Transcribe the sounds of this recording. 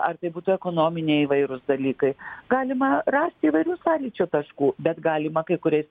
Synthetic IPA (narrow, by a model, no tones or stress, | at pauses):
ɐrt̪ɐɪbuːt̪ʊɛkoːnoːmʲɪnʲɛɪiʋɐɪɾʊsd̪ɐlʲiːkɐɪɡɑːlʲɪmɐrɑːsʲt̪ʲiːʋɐɪɾʲuːsɑːlʲiːt͡ʃʲʊt̪ɐʃkuːbʲɛt̪ɡɑːlʲɪmɐkɐɪkʊɾʲɛɪs